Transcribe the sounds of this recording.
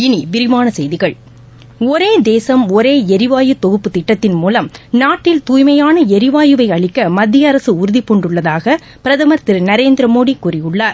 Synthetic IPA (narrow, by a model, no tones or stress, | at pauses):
ɪnibɪɾɪmaːnɐsɛjðɪɣɐɭ | ɔɾeːd̪eːsɐmɔɾeːɛɾɪʋaːjɯt̪ɔɣɯpːɯt̪ɪʈːɐt̪ːɪnmuːlɐmnaːʈːɪlt̪uːjmɐjaːnɐɛɾɪʋaːjɯʋɐɪɐɭɪkːɐmɐd̪ːɪjɐɐɾɐsɯʊɾʊðɪpːɔɳɖɯɭːɐðaːɣɐ | pɪɾɐðɐmɐɾt̪ɪɾnɐɾeːnd̪ɪɾɐmoːɽikːuːɾɪjɯɭːaːɾ